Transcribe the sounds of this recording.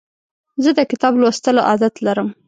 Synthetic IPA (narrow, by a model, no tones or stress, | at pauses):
zəd̪əkɪt̪ɑblwost̪əloʔɑd̪at̪laɾəm